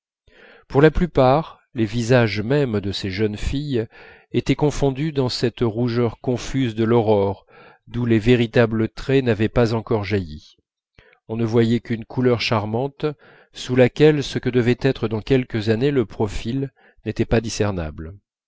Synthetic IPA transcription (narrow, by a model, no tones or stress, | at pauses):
puʁlaplypaʁ | levizaʒmɛmd̪əseʒœnfij | et̪ɛkɔ̃fɔ̃d̪yd̪ɑ̃sɛt̪ʁuʒœʁkɔ̃fyzd̪əlɔʁɔʁ | d̪uleveʁit̪ablət̪χɛnavɛpazɑ̃kɔʁʒaji | ɔ̃nəvwajɛkynkʰulœʁʃaʁmɑ̃t̪ | sulakʲɛlsəkəd̪əvɛt̪ɛt̪χəd̪ɑ̃kʲɛlkəzaneləpχɔfil | net̪ɛpad̪isɛʁna̰bl